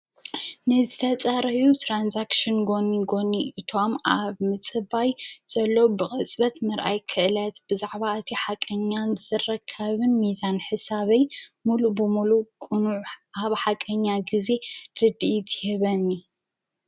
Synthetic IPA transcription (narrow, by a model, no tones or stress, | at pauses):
nɨzɨt̪ʰɐt͡sʼaɾɐjut̪ʰɾanzakʃɨnɡo̞nːiɡo̞nːiʔɨt̪ʰo̞mʔaβmɨt͡sʼɨbajz̥ɐlːobɨχʼɨt͡sʼβɐt̪mɐɾʔa̰jkʰɨʔlɐt̪b̥ɨzaʕβaɨt̪ʰiħakʼɐɲːanzɨrɐkʰːɐβɨnmizanħɨsaβɐjmulubɨmulukʼɨnuʕʔaβħakʼɐɲːaɡize̞dɨd̪iit̪ʰhɛβɐni